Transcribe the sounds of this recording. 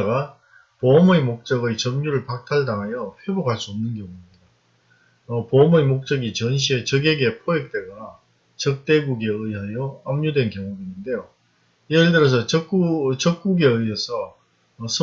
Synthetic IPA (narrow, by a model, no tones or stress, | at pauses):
ɡa | poʌmɯimok̚t͡ɕ͈ʌɡɯjt͡ɕʌmɲuɾɯɭpak̚tʰaɭdaŋɦajʌɸwe̞bokhaɭs͈uʌmnɯnɡjʌŋuimido | ʌpoʌmɯimok̚t͡ɕ͈ʌɡit͡ɕʌnɕʰie̞t͡ɕʌɡeɡe̞pʰoek̚t͈e̞ɡa | t͡ɕʌk̚t͈e̞ɡuɡeɯiɦajʌamɲudwe̞nkjʌŋubiɲinde̞jo | jeɭdɯɾʌs̬ʰʌt͡ɕʌkut͡ɕʌk̚k͈uɡe̞ɯjesʰʌː | sʰʌ